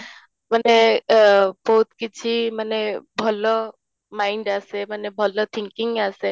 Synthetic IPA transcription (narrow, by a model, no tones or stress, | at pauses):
mane | bɔɦut̪kit͡ʃʰimanebʱɔlɔ | maiɳɖasemanebʱɔlɔt̪ʰiŋkiŋɡase